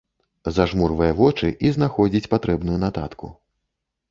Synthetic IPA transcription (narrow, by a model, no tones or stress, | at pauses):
zaʐmurvɐjɐvɔt͡ʂɨʔiznaxɔd͡zʲit͡sʲpat̪ɾɛbnujunat̪a̰t̪kṵ